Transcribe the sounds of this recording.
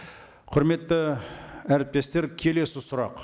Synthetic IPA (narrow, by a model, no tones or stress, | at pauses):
qʰʊɾme̞t̪ːɪæɾɪp̚t̪e̞st̪e̞ɾkʲʰe̞le̞sɪsʊɾɑ̰q